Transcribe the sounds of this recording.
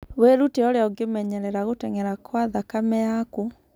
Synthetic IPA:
weɾuteɔɾeaoɡemɛɲɛɾɛɾaɣotɛŋɛɾakʰwaðakamɛjaku

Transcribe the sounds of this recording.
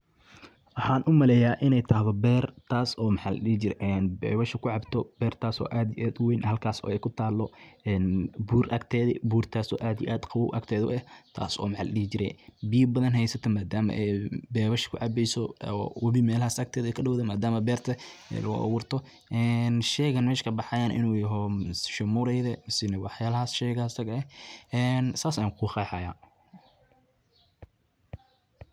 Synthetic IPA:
ʔɑħaːnʔʊmɐlɛjaːʔɪnɛjt̪ʰaːɦðɔbɛːrt̪ʰaːsɔːmɑħaːlɐ̰ɗɪhɪt͡ʃɪɾɛʔɛnbɛ̰ːβɐʃɪkʰʊʕɑbt̪ʰɔb̥ɛːrt̪ʰaːsɔ̰ːʔaːd̪iʔaːd̪ʊwɛjnhɐlkʰaːsɔ̰ːɛjkʰʊt̪ʰaːlːɔɛːnbuːɾʔɐkt̪ʰɛːðɛbuːrt̪ʰaːsɔːʔaːd̪ijʔaːd̪qɑwɔwʔɐ̰ɡt̪ʰɛːðʊ̰ʔɛht̪ʰa̰ːsɔ̰ːmɑħaːlɐɗɪhɪt͡ʃɪɾɛbɪjɐbɐðɐnɦɛjsɐt̪ʰɔmaːd̪aːmɐ̰ʔɛjbɛːβɐʃɪ̥kʰʊ̰ʕɑbɛjsɔwɐβimɛːlɐhaːsɐk̚t̪ʰɛːðɛkʰɐɖɐwðɛmaːd̪aːmɐbɛːrt̪ʰɐɛ̰lɐɡʊʔɐ̰wʊːrt̪ʰɔ | ʔɛnʃɛːɣɐnmɛːʃkʰɐbɑħɑjaːnʔɪ̰nuːjɐɦɔsʃɐmuɾɛjðɛsɪnɐwɑħjaːlɐɦaːsʃɛːɣasɐɡɐɛʔɛnsaːsɐːŋkʰʊxɑːħajaː

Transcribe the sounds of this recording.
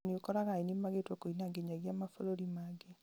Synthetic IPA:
neokɔɾaɣainimaɣetwokoinaɡeɲaɣjamafoɾoɾimaːɡe

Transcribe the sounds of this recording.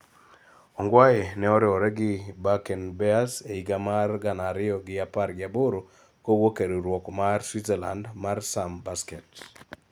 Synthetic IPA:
ɔŋɡwajenɛɔɾɪɔɾɛɡɪbakɛnbɛaseiɡamarɡanaɾɪɔɡɪapaɾɡɪaboɾo | kowokeɾiɾwɔkɔmaɾswitzela̰ndmaɾsambaskɛt

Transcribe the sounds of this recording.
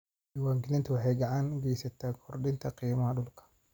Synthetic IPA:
ɪwaːŋkɪlɪnt̪ʰɐwɑħɛjɡɐʕaːŋɡɛjsɐt̪ʰaːkʰɔrɗɪnt̪ʰɐqiːmɐhɐɗʊlkʰɐ̥

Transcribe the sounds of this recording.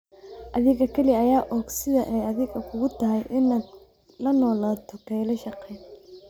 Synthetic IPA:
ʔɐðɪɣɐkʰɐlɪːjaːʔɔːɡsɪðɐʔɛjɐðɪɣɐkʰʊɣʊt̪ʰɐɦɛjʔɪna | lɐnɔːlaːt̪ʰɔkʰɛjlɐʃɑqɛjn

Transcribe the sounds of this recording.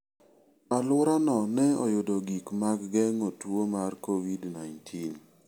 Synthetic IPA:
alʊɾanɔnɛɔ̰jʊdoɡikmakɡɛŋotwomarkowidnajntʰin

